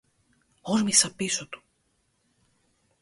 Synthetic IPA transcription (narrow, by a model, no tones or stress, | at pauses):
oɾmisɐpisot̪u̥